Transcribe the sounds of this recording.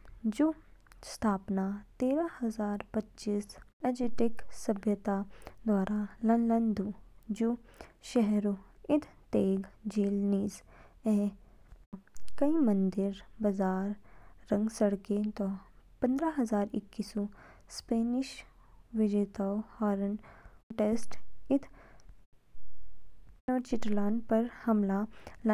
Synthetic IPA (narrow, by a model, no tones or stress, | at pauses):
d͡ʒu | st̪ʰaːpnat̪eːɾahɐzaːɾpɐtːʃiːsɐd͡ʒɪʈɪksɐbʱjət̪ad̪waːɾʔalɐnlənd̪ud͡ʒu | ʃɛɦɾoɪd̪ʰt̪eːɡd͡ʒeːlniːz | ɛː | kɐimə̃nd̪ɪɾbɐzaːɾːɐ̃ŋɡsɐɽket̪ɔpɐ̃nd̪ɾaɦɐzaːɾɪkːisɔ | speːnɪʃ | ʋɪd͡ʒeːt̪aːwhɔːɾənʈesʈɪt̪ʰ | nɔːɾt͡ʃɪʈɾlaːɳɖpɐɾhɐmlala